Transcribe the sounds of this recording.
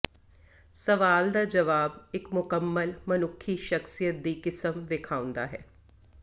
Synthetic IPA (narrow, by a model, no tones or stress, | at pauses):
səʋaːld̪aːd͡ʒəʋaːbɪkmʊkəmːəlmənʊkʰːiːʃəxsijət̪̚d̪iːkɪsəmʋɪkʰaːʊ̃nd̪a̰ːɦɛ̰ː